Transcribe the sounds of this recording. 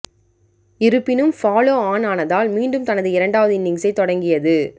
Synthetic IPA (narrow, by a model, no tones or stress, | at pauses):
ɪɾɯpːɪnɯmfaːloːaːnaːnɐðaːlmiːɳɖɯmt̪ɐnɐðɯɪɾɐɳɖaːʋɐðɯɪnːɪŋsɐɪt̪ːɔɽɐŋɡɪjɐðɯ